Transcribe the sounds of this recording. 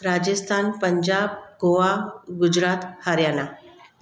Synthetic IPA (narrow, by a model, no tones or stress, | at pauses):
ɾad͡ʑəst̪ʰanpəɲd͡ʑab̚ɡoʋaɡud͡ʑɾat̪haɾjana